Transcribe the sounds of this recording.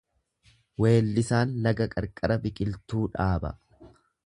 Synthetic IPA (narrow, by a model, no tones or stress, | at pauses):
we̞ːlːɪsaːnlɐɡɐkʼɐɾkʼɐɾɐbɪkʼɪlt̪uːᶑaːbɐ̰